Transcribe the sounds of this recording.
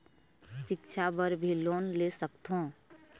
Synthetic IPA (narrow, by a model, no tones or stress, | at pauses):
ʃɪkt͡ʃʰabəɾbʱiloːnlesəkt̪õː